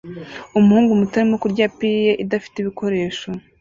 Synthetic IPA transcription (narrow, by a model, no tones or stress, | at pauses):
umuhuːŋɡumutaɾimo̞kuɾɟaːpijeʔidafi̥teiβikʰo̞ɾe̞ːʃo̞